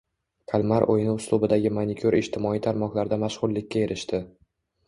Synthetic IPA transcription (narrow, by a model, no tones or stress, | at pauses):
kʰalˠmaɾʔo̰jnɪʊslˠʊbɪd̪aɡʲɪmanʲɪkʲʰʊɾɪʃt̪ʰɪmɒijt̪ʰaɾmɒqlˠaɾd̪amaʃʁʊɾlɪkʲʰːae̞ɾʔɪʃt̪ɪ